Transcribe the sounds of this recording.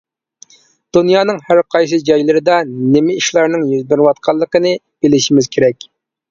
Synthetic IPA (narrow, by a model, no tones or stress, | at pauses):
d̪̥unjɑːnɨŋhæɾqʰɑjsɨd͡ʒɑjlˠɨɾɨd̪ɑnemɪiʃlˠɑɾnɨŋjyzbɪɾwɑt̪̚qʰɑlˠːəqənɨ | b̥ɪlɪʃimɪz̥kʲʰeɾɛkʲ